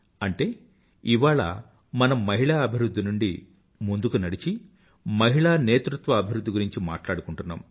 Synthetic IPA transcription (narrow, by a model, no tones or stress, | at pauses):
ɐɳʈe̞ː | iʋaːɭɐ̰ | mɐnɐmːɐɦiɭaːɐbʱiɾud̪ʱːinuɳɖi | mund̪ukunɐɽit͡ʃi | mɐɦiɭaːneːt̪ɾut̪ʋɐːbʱiɾud̪ːiɡuɾiɲt͡ʃima̰ːʈlaːɽukuɳʈunːa̰ːm